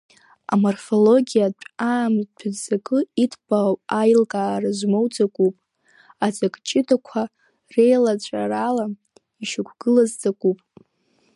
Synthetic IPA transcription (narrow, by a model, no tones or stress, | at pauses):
a̰morfo̞lo̞ɡʲijat͡ɕʷʼaːmpʰazakʼɨitʰbapʼajlkʼaːraʒʷmowd͡zakʷʼupʼ | ad͡zakʼt͡ʃʼɪdakʷʰa | rejlat͡ɕʷʼa̰rala | iʃakʷʰɡ̥ɨlazd͡zakʼupʼ